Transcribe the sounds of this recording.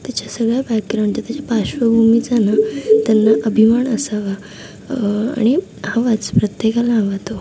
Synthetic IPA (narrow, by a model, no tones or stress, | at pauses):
t̪jat͡ɕasəɡɭjabakːɾaɳt͡ɕat̪jat͡ɕapaɕʋəbʱumid͡zanat̪janːaʔəbʱimaɳəsaʋa | a̰ɽ̃i | hãʋat͡spɾət̪jekalãŋɡat̪o